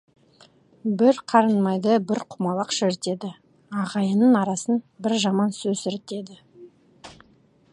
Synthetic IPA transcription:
bɪɾqʰɑɾənmɑjd̪əbɪɾqʰʊmɑlˠɑqʃɪɾt̪e̞d̪ɪ | ɑʁɑjənənɑɾɑsənbɪɾʒɑmɑnsɵzɪɾt̪e̞d̪ɪ

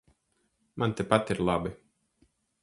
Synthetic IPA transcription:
mʔant̪ʲepat̪iɾlˠabɨ

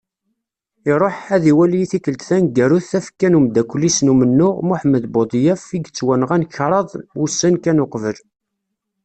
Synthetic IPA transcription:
ɪɾˤoħæðiwælijiθikəlt̪θænɡæɾuθːæfə̥kːænumd̪ækʷːlːisnumənːʊʁmuħməd̪bod̪ˤjæfiɡt͡sːwænəʁænçɾˤɑðˤwusːænkænoqvəl

